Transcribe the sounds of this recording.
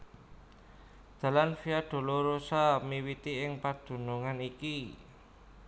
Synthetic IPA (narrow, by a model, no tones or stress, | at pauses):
d̪̥a̤lanfiaɖ̪̥o̤loɾosamiwit̪iɪŋpad̪̥ṳnuŋaniki